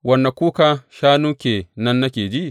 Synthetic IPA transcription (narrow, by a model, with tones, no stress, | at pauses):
wɐ˦˨nːa˨kʷuː˦ka˦ʃaː˦nuː˦kʲeː˨nɐ˦nːa˦kʲeː˨d͡ʒi˦ʔ